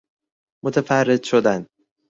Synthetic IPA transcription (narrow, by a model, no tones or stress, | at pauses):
mot̪ʰæfærːed̪̥ʃod̪æn